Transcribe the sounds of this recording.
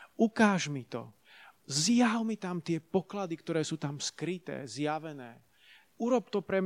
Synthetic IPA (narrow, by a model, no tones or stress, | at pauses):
ukaːʒmit̪ɔ̰ | zjaɦʊmit̪amt̪ɪɛpɔklad̪ikt̪ɔɾɛːsuːt̪amskɾit̪ɛ̰ːzjaʋɛnɛː | uɾɔp̚t̪ɔpɾɛm